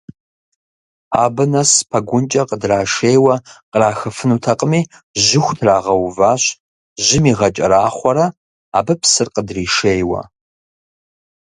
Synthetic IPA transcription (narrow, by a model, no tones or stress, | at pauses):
aːbɨnɐspʰɐɡʷʊnt͡ʃʼɐqədraːʂeːjwɐqəraːxɐfɨnuːtʰɐqʼəmiː | ʑɪxʷtʰraːʁɐwvaːɕ | ʒɪmiːʁɐt͡ʃʼɐ̰ɾaːχʷɔɾɐ | a̰ːbɨpsɨrqədriːʃejwɐ̰